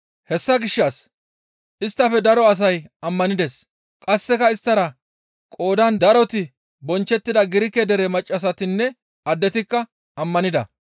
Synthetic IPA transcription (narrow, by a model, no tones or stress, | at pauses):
hɛsːɐɡɪʃːas | ʔɪst̪ːɐfɛd̪ɐɾɔɐs̬ɐjɐmːɐnɪd̪ɛs | kʼɐsːɛkɐɪst̪ːɐɾɐ | kʼo̞ːd̪ɐnd̪ɐɾɔt̪ɪ | bɔnt͡ʃːɛt̪ːɪd̪ɐɡɪɾɪkːɛd̪ɛɾemɐt͡ʃʼːɐs̬ɐt̪ɪnːɛ | ɐd̪ːɛt̪ɪkːɐ | ɐmːɐnɪd̪ɐ̰